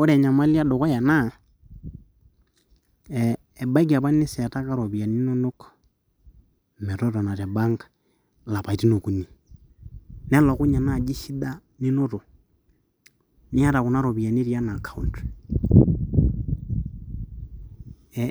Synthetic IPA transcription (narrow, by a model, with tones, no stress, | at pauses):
o˦ɾɛ˨ɲa˨ma˦lja˦do˨kɔ˦ja˨na˦˨ | ba˦k̬i˨a˨βa˦ni˦si˨a˨ta˦ka˦ɾo˨βi˨a˨ni˦no˦no˦kɔ̥ | mɛ˨ɾo˦ɾɔ˨na˨ɾɛ˨ba˦ŋɡḁ | la˨pa˨i˨ti˦no˨ku˨ni˨ | nɛ˦lɔ˨ku˦ɲa˨na˨d͡ʒi˦ʃi˦da˦ | ni˦no˦to˨ | ni˦a˦ɾa˨ku˨na˦ɾo˨βi˨a˨ni˦ɾja˦na˨ka˨ṵ˨ntwɛ̥